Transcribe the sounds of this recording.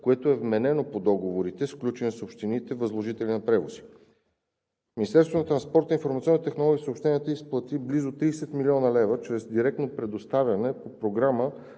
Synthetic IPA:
koɛt̪oɛvmɛnɛnopod̪ɔɡovoɾit̪ɛsklʲut͡ʃɛnɛsopʃt̪init̪ɛvəzlˠoʒit̪ɛlʲinɐpɾɛvosi̥ | minʲist̪ɛɾst̪vonɐt̪ɾɐnspɔɾt̪infoɾmɐt̪iɔnːt̪ɛxnolˠɔɡisopʃt̪ɛniət̪əisplˠɐt̪iblizot̪ɾiːsɛt̪milʲiɔnəlɛvət͡ʃɾɛzd̪iɾɛk̚t̪nopɾɛd̪ost̪avʲjɐnɛpopɾoɡɾamə

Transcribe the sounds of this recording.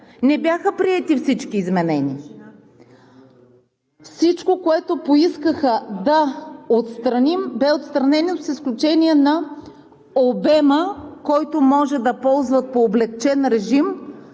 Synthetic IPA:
nɛbʲjaxəpɾiɛt̪ifsit͡ʃkiːzmɛnɛnʲḭ | fsit͡ʃkokoɛt̪opoiskəxəd̪ɐot̪st̪ɾɐnimbɛot̪st̪ɾɐnɛnosisklʲut͡ʃɛniɛnɐ | obɛməkɔjt̪omɔʒɛd̪ɐpɔlˠzvət̪̚poːblɛk̚t͡ʃɛnɾɛʒim

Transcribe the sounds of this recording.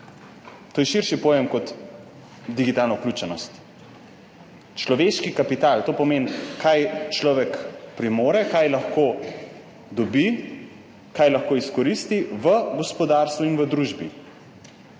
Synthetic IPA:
t̪oːjɛʃiɾʃipɔjemkɔt̪ | d̪iɡit̪aːlnɔuklʲuːt͡ʃɛnɔst̪ | t͡ʃlɔʋeʃkikapit̪alt̪oːpɔmeːnkajt͡ʃlɔːʋɛkpɾimoːɾɛkajlɐxko | d̪ɔbi | kajlɐxkoːiskɔɾist̪iʋəɡɔspɔd̪aɾst̪ʋuinʋəd̪ɾuːʒbḭ

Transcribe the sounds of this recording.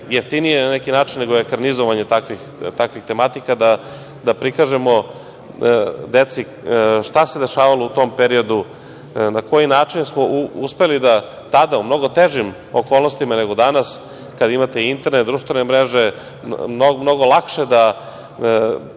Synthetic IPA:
jeft̪inijenanekinaːt͡ʃinːe̞ɡoekaɾnizoʋaɲe̞t̪akʋixt̪akʋixt̪e̞mat̪ikad̪a | d̪apɾikaʒe̞mo̞ | d̪et̪si | ʃt̪ase̞d̪e̞ʃaːʋalout̪o̞mpeɾio̞d̪u | nako̞jinaːt͡ʂinsmouspe̞lid̪a | t̪ad̪aumno̞ɡo̞t̪eʒim | okoːlˠno̞st̪imane̞ɡo̞d̪anas | kad̪aimat̪eint̪ɾned̪ɾuʃt̪ʋene̞mɾeʒe̞ | mnomno̞ɡolˠakʃe̞d̪a

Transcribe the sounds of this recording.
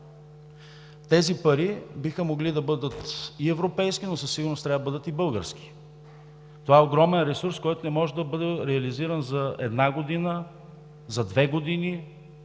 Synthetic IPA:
t̪ɛzipɐɾibixəmoɡlid̪ɐbɤd̪ət̪iɛvɾopɛjsk̟inosɐsːiɡʊɾnost̪ɾʲavəbɤd̪ət̪ibɤlˠɡə̰ɾsk̟i̥ | t̪ovaɛoɡɾɔmɛnɾɛsuɾskɔjt̪onɛmɔʒɛd̪ɐbɤd̪ɛɾɛɐliziɾənzɐɛ̰d̪naɡod̪inə | zɐd̪vɛɡod̪ini

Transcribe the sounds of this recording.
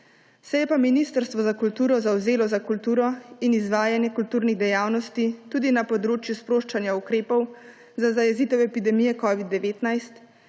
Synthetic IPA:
sɛjɛpaminist̪əɾst̪ʋɔzakult̪uːɾɔzawzeːlɔzakult̪uːɾɔinizʋaːjanjɛkult̪uːɾniɣd̪ɛjaːwnɔst̪it̪uːd̪inapɔd̪ɾoːt͡ʃjuspɾoːʃt͡ʃanjaukɾeːpɔw | zazajɛziːt̪ɛwɛpid̪ɛmijɛkɔːʋid̪ːɛʋeːt̪najst̪

